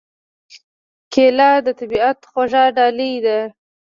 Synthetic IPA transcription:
kʰelɑd̪ət̪abiat̪xaʒɑɖɑləjd̪a

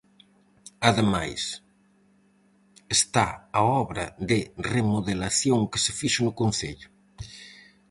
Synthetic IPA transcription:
aðema̰js | est̪aaɔβɾɐðɪremoðelaθjoŋkɪ̥sefiʃʊnʊkon̟θeʎʊ

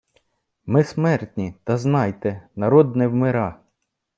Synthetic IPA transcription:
mɪsmɛrt̪ʲnʲit̪ɐznɑjt̪ɛnɐɾɔd̪nɛwmɪɾɑ

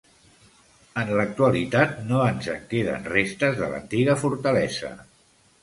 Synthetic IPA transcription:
ənlək̚t̪uəlit̪at̪noənzəŋkeðə̰nrest̪əzðə̰lə̰nt̪iɣ̞əfuɾt̪əlɛzə̰

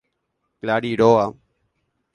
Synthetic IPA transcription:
kəlaːɽiːɖoːaː

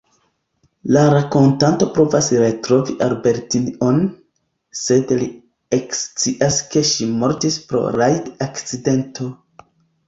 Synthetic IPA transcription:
laɾako̞ntanto̞pɾo̞vasɾe̞tɾo̞viʔalbe̞ɾtion | se̞dli | ekst͡siʔaske̞ʃimo̞ɾtispɾo̞̰ɾajdakt͡side̞ntʰo̞

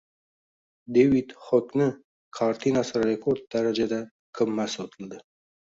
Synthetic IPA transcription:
d̪ewid̪χoknə | kʰɑɾt̪ʰinasɾɾekʰoɾd̪̚d̪aɾad͡ʒad̪a | kʰəmːasot̪ʰəld̪ə

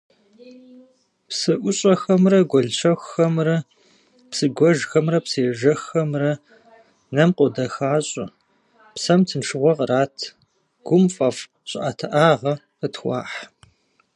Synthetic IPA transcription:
psɨʔʷʊɕʼɐxɐmrɐɡʷɔɮɕʰɐxʷxɐmrɐ | psɨɡʷɔʒxɐmrɐpsɨjɛʒɐxːɐmrɐ | nɐmqʷʼʊdɐxaːɕʼʊ | psɐmtʰɨnʂʰɨʁʷɔʁɾaːtʰ | ɡ̥ʷʊmfʼɐf | ɕʼʔaːtʰɐʔaːʁɐ | qətxʷɑ̰ːħ

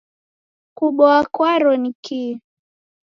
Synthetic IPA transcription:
kuɓɔakwaɾɔniki

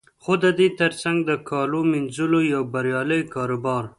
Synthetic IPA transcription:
xod̪əd̪et̪əɾsaŋɡd̪əkʰɑlominzulojawbaɾjɑləjkɑɾobɑɾ

